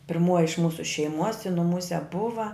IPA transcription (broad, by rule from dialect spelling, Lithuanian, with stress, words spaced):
pʲɪrˈmuɔjɪ ɪʃ ˈmuːsʊ ʃʲɛɪˈmuɔs ɪ nʊˈmuːsʲɛ ˈbʊʋɐ